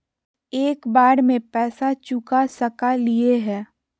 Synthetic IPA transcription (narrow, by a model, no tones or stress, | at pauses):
eːkbaːɽmẽpɛːsat͡ʃʊkasəkalieɦɛː